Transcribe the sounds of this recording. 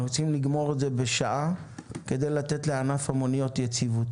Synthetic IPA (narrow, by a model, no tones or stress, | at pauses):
ot͡simliɡmo̞ʁeze̞be̞ʃaʔake̞d̪e̞jlatetleanafamonijo̞tjet͡sivut